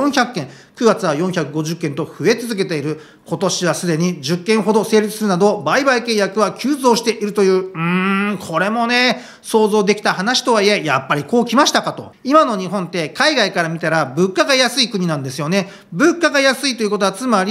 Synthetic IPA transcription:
õɰ̃çʲakɯːẽ̞ | kɯ̟ɡat͡sɨβajõ̞ɰ̃çakɯ̟ɡo̞ʑɨkːent̪o̞ɸɯ̟e̞t͡sɨzɨk̬e̞t̪e̞iɾɯ̟ | ko̞t̪o̞ɕiβasɨd̪e̞ɲ̟id͡ʑɨkːẽɰ̃ɦo̞d̪o̞se̞ːɾʲit͡sɨ̥sɨɾɯ̟nad̪o̞baibaike̞jakɯ̟βakʲʰɨːzo̞ːɕi̥t̪e̞ʔiɾɯ̟t̪o̞jɯ̟ːɯ̃kʰo̞ɾe̞mo̞ne̞ | so̞ːzo̞ːd̪e̞kʲi̥t̪aɦanaɕi̥t̪o̞βaie̞japːaɾʲiko̞ːkʲimaɕi̥t̪akat̪o̞̰ | imano̞ɲ̟iɦõnt̪e̞kaiɡaikaɾamʲit̪aɾabɯ̟kːaɡajasɨikɯ̟ɲ̟inãnd̪e̞sɨjo̞ne̞ | bɯ̟kːaɡajasɨit̪o̞iɯ̟ko̞t̪oat͡sɨmaɾʲi

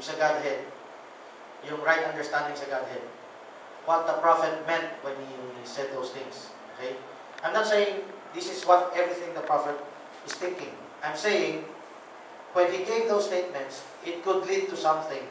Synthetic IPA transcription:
sɐɡad̪̚hɛd̪̚ | jʊŋɹajt̪ɐnd̪ɛɹst̪ãnd̪ɪ̃ŋsɐɡad̪̚hɛd̪̚ | wʌt̪̚d̪ɐpɹafɛt̪̚mɛ̃nt̪̚wɛ̃nhisɛd̪̚ðoʊst̪ɪ̃ŋs | okej | ʔãjmnɐt̪̚sejɪ̃ŋ | d̪ɪsɪswɔt̪̚ʔɛvɹiθɪ̃ŋd̪ɐpɹafɛt̪̚ | ɪst̪ɪ̃ŋkɪ̃ŋ | ʔajmsejɪ̃ŋ | wɛ̃nhiɡevðowsst̪ejt̪̚mɛ̃nt̪s | ʔɪt̪̚kʊd̪lid̪̚t̪ʊsʌ̃mθɪ̃ŋ

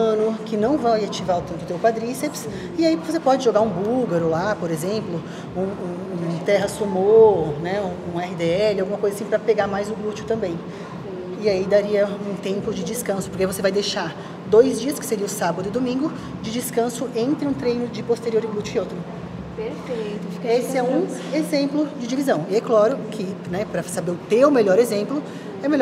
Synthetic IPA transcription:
ɐ̃nʊkɪnɐ̃w̃vajat͡ʃivaʊt̪ed̪ʊt̪ewpad̪ɾiseps | ɪaivosepɔd͡ʒɪʒoɡaɾũbuɡaɾolapoɾezẽmplʊ | ũũ | t̪ɛɦɐsomoɾnɛũũɛhɪd̪eɛlɪawɡũmɐkojzɐasĩpɾɐpeɡaɾmajzʊɡlut͡ʃʊt̪ɐ̃mbẽj̃ | ɪaid̪aɾiɐũt̪ẽmpʊd͡ʒɪd͡ʒɪskɐ̃sʊpoɾkɪvosevajd̪ejʃaɾ | d̪ojzd͡ʒiɐskɪ̥seɾiɐʊsabɐd̪ʊɪd̪omĩɡʊ | d͡ʒɪd͡ʒɪskɐ̃sʊʔẽnt̪ɾɪũt̪ɾẽjnʊd͡ʒɪpost̪eɾioɾɪblut͡ʃɪkɪowt̪ɾʊ | peɾfej̪ʊesɪɛũezẽmplʊd͡ʒɪd͡ʒivizɐ̃w̃ɪeklɔɾʊkʰɪnɛpɾɐsabeɾʊt̪ewʊmeʎɔɾezẽmplʊ | ɛmel

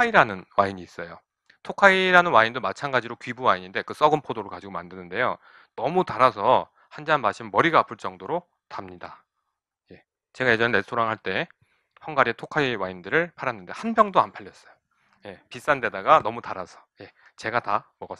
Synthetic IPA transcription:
aiɾanɯnwaiɲiːs͈ʌjo | tʰokʰaiɾanɯnwaindomat͡ɕʰanɡad͡ʑiɾokɥibuwaiɲinde̞kɯs͈ʌɡɯnpʰodoɾɯɭkad͡ʑiɡomandɯnɯnde̞jo | nʌmutaɾasʰʌ | hand͡ʑanmaɕʰimmʌɾiɡaːpʰɯɭt͡ɕ͈ʌŋdoɾo | tamɲida | je̞ | t͡ɕe̞ɡaje̞d͡ʑʌnene̞sʰoɾaŋɦaɭt͈e̞ | hʌŋɡaɾietʰokʰaiwaindɯɾɯɭpʰaɾanːɯnde̞hanbjʌŋdoanpʰaʎjʌs͈ʌjo̥ | je̞pis͈ande̞daɡanʌmutaɾasʰʌ̥je̞ | t͡ɕe̞ɡatamʌɡa

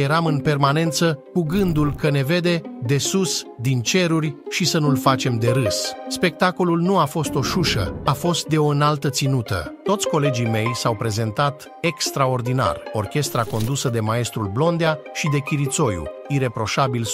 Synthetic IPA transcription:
jeɾamɨnpe̞rmane̞nt̪səkuɡɨnd̪ulkəne̞ve̞d̪e̞d̪e̞susd̪int͡ʃe̞ɾurʲʃisənulfat͡ʃe̞md̪e̞ɾɨsspe̞k̚t̪ako̞lulnuafo̞st̪o̞ʃuʃə̰afo̞st̪̚d̪e̞o̞ɨnalt̪ət̪sinut̪ə̰t̪o̞t̪sʲko̞le̞d͡ʒime̞jsawpɾe̞ze̞nt̪at̪ | ekst̪ɾao̞rd̪ina̰rorkʲe̞st̪ɾako̞nd̪usəd̪e̞mae̞st̪ɾulblo̞nd̪eaʃid̪e̞kʲiɾit̪so̞jṵiɾe̞pɾo̞ʃabil

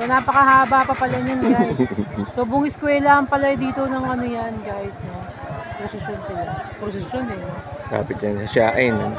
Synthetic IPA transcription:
onaːpɐkɐhaːbaːpɐpɐlɐɲɐnɡajsːoːboŋɪskwɛːlaɐmpɐlɐjd̪iːt̪o̞nɐŋɐnojanɡajsno | pɾosɪʃonsɪlapɾosɪsjonɛot̪a̰ːpɪt̪̚ɲɐnhɐʃaːʔɐnɐ

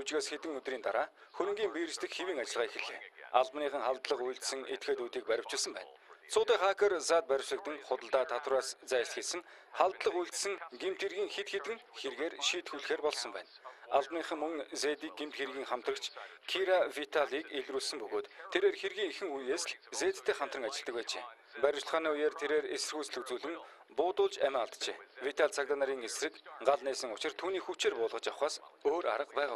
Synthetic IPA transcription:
ut͡ɕɣeːsxet̪ɘ̆ŋɵt̪riːnt̪aɾaː | xɵɾʲɵ̆ŋɡʲiːmpiɾɘ̆st̪ɘ̆kxewiːŋat͡ɕɪ̆ɮʁaːexɘ̆ɮḛːaɮpniːχə̆ŋχaɮt̪ɮə̆qujɮt̪̆sɘ̆ŋet̪xeːt̪uːt̪iːk̚pæɾʲɪ̆w̥t͡ɕɪ̆ːsə̆mpæ̰ːnsʊːt̪eːχakʰə̆rsaːt̪̚pæɾʲɪ̆w̥sə̆k̚t̪ɘ̆ŋχʊt̪ə̆ɮt̪aːt̪ʰat̪wraːst͡sæːr̆ʲɬt̪xeɮsɘ̆ŋ | χaɮt̪ɮə̆χujɮt̪sɘ̆ŋɡemt̪xerɣiːŋxet̪xet̪ɘ̆ŋxerɣeːrʃiːt̪xuɮxeːrpɔɮsɞ̆mpæ̰ːnaɮpniːχə̆ŋmɵŋzeːt̪iːɡ̚ɡemt̪xerɣʲiːŋχam̥t̪rə̆kt͡ɕʰkʰiɾafit̪ʰaɮiːkeɮɾuːɮsɘ̆mpɵɣoːt̪tʰːeɾeːrxerɣiːŋexɘ̆ŋujeːsɮt͡seːt̪ʰt̪ʰːeːχam̥t̪rə̆ŋat͡ɕɪ̆ɮt̪ə̆k̚wæːt͡ɕḛː | pæɾʲɪ̆t͡ɕ̆ɮ̆χaːniːʊjaːrt̪ʰeɾeːresɘ̆rxujt͡sɮɵ̆kt͡suːɮɘ̆ŋ | pʊːt̪ʊːɮt͡ɕæmʲaaɮt̪t͡ɕḛːwit̪ʰaɮt͡sʰakt̪anaɾiːŋesrɘ̆kɢaɮniːsə̆ŋʊt͡ɕɪ̆rt̪ʰuːniːxut͡ɕeːrpʊːɮʁə̆t͡ɕawχaːsoːɾa̰ɾə̆qpæːʁaː

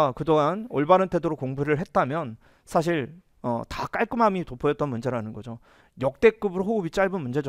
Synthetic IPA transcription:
kɯdoŋanoɭbaɾɯntʰe̞doɾokoŋbuɾɯɭɦe̞t̚t͈amjʌn | sʰaɕ̬ʰiɭ | ʌ̰tak͈aɭk͈ɯmɦamitopʰʌjʌt̚t͈ʌnmund͡ʑe̞ɾanɯnɡʌd͡ʑo | jʌk̚t͈e̞k͈ɯbɯɾoɦoɯbit͡ɕ͈aɭbɯnmund͡ʑe̞d͡ʑʌ

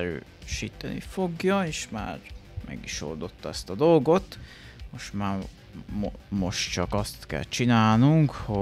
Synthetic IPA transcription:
ɾø̰ː | ʃiːt̪ɛnḭfo̞ɡjɒeːʃma̰ːrmɛ̰ɡiʃo̞̰rd̪o̞t̪ːɒɛst̪ɒd̪o̞lɡo̞t̪ | mo̞ʃtmaː | mo̞ʃt̪t͡ʃɒkɒst̪kɛ̰lt͡ʃinaːlnuŋkho

